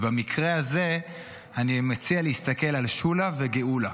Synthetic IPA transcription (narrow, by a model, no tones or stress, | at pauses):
bamikʁeaze̞ | animat͡sialeist̪ake̞lalʃulaveɡeula